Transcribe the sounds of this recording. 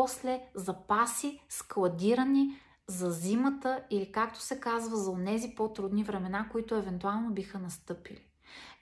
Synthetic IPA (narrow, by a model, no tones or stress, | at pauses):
ɔslɛzɐpasisklˠɐd̪iɾəni | zɐzimət̪əilikak̚t̪o̥sɛkazvəzɐonɛzipot̪ɾud̪nivɾɛmɛnakoit̪ʊɛvɛnt̪ualˠnobixənɐst̪ɤpḭli